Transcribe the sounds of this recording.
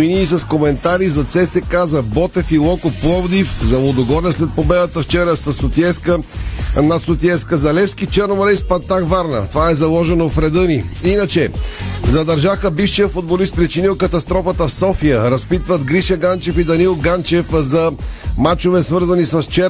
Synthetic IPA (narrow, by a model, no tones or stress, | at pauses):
iniːsɐskomɛnt̪aɾizɐt̪sɛsɛkazɐbɔt̪ɛfilˠɔkoplˠɔvd̪ifzɐlˠod̪oɡɔɾnɛslɛt̪̚pobɛd̪ət̪əft͡ʃɛɾəsɐsot̪iɛskənɐt̪sot̪iɛskəzɐlɛfskit͡ʃɛɾnvoɾɛispɐnt̪akvaɾnə̰t̪ovaɛzɐlˠɔʒɛnofɾɛd̪əniinət͡ʃɛzɐd̪ɐɾʒaxəbifʃijəfʊd̪̚bolist̪̚pɾit͡ʃiniʊkɐt̪ɐst̪ɾɔfət̪əfsɔfijəɾɐspit̪vət̪ɡɾiʃɐɡant͡ʃɛfid̪ɐnilˠɡant͡ʃɛfzɐmat͡ʃovɛsvɤɾzɐnisɐst͡ʃɛ